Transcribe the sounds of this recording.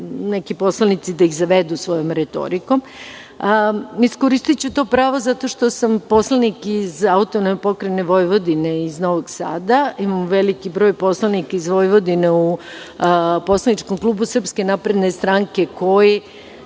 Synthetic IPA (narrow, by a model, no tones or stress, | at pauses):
ne̞kipo̞slˠanit̪sid̪aiɣzaʋe̞d̪usʋo̞jo̞mɾet̪o̞̰ɾiko̞m | iskoɾist̪it͡ɕut̪o̞pɾaːʋo̞zat̪o̞ʃt̪o̞sampo̞slˠanikizaut̪onepo̞kɾeneʋo̞jʋo̞d̪ineizno̞ʋoɡsa̰ːd̪aimamʋe̞likibɾo̞jpo̞slˠanikaizʋo̞jʋod̪ineu | po̞slˠanit͡ʃko̞mklˠuːbusr̩pskenapɾe̞d̪nest̪ɾaŋke̞ko̞je